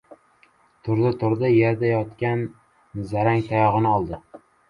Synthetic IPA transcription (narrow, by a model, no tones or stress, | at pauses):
t̪ʰʊɾd̪ɪt̪ʰʊɾd̪ɪjeɾd̪ajɒt̪kʲan | zaɾaŋt̪ʰajɒʁɨnɪɒlˠd̪ɪ